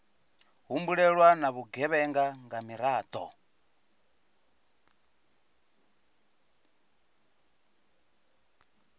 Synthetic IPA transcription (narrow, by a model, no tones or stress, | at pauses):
ɦumbuɺɛɺwanaβuɡɛβɛŋɡaŋɡamiɾaːt̪ʼɔ